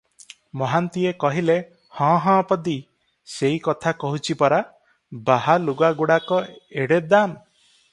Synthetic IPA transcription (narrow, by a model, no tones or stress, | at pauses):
mɔɦant̪iekɔɦile | hɔ̃ɦɔ̃pɔd̪i | seikɔt̪ʰakɔɦut͡ʃʰipɔɾa | baɦaluɡaɡuɽakɔeɽed̪am